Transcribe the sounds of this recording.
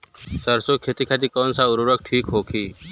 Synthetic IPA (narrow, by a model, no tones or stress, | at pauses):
səɾsokʰeːt̪ikʰaːt̪̬ikɔːnsaʊɾuɾək̚ʈʰiːkɦoːkʰiː